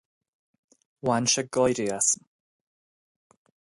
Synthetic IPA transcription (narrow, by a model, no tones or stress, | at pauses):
wanʃəɡɔjɾiasm